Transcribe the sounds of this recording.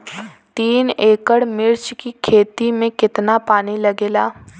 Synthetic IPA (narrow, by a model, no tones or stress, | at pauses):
t̪iːneːkəɽmɪɾt͡ʃkikʰeːt̪imẽkɪt̪napaːnilɐɡeːlaː